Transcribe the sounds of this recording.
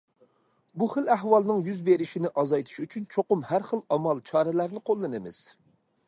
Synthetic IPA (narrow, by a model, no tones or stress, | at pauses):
buχəlæhwɑlˠnɨŋjyzbeɾɪʃinɪʔɑzɑjt̪ʰu̥ʃyt͡ʃʰynt͡ʃʰoqʊmhæɾχəlɑmɑlˠt͡ʃʰɑːɾɛlæɾnɪqʰolˠːɨnɨmɪ̰z̥